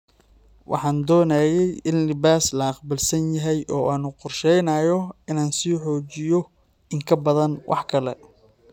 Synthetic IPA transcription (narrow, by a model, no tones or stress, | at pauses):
wʔɑ̰ħɑːnd̪ɔːnaːjɛjʔɪnlɪβaːslɐːqbɪlsɐnjɐɦɛjʔɔːʔaːnʊqʊrʃɛjnɐːjɔɪnaːnsiːħɔːt͡ʃɪjɔ | ɪŋkʰɐbɐðɐnwʔɑ̰ħkʰɐlɛ̰